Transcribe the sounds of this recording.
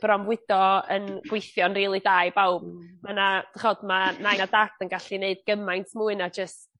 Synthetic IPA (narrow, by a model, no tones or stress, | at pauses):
b̥rɔmwɪd̥ɔənɡ̥wejθjɔnriːlˠidaːjbawb̥manad̥aχɔdmanajnadatʰənɡaɬineɨd̚ɡ̥əmajntʰmuːɨnad͡ʒəst